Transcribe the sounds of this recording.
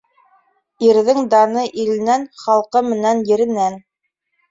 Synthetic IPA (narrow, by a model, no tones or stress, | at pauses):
iɾðɘŋd̪ɑnɤʔilɘ̆nænχɑlˠqɤmɘ̆nænjɘ̆ɾɘ̆næn